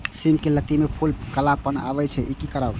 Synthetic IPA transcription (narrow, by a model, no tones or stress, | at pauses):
simkelət̪imepʰulkəlapəna̰bɛt͡ʃʰɛʔikikəɾaw